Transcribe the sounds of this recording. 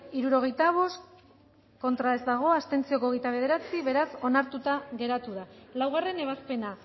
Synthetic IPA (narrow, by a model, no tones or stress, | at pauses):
iɾuɾo̞ɣ̞e̞jt̪aβ̞o̞st | ko̞nt̪ɾae̞zd̪aɣ̞o̞ast̪e̞nt͡sio̞koɣejt̪aβ̞e̞ð̞e̞ɾat͡siβe̞ɾaso̞naɾt̪ut̪aɣe̞ɾat̪uðalawɣ̞are̞ne̞β̞aspe̞na